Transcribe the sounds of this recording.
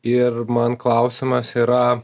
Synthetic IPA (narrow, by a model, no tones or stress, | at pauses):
ɪɾmɐnklˠɐʊsʲɪmɐsiːɾɐ